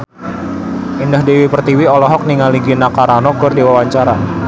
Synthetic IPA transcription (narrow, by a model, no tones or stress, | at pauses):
indahdewipərt̪iwiɔlɔɦɔk̚niŋaliɡinakaɾanɔɡɔrdiwawaɲt͡ʃaɾa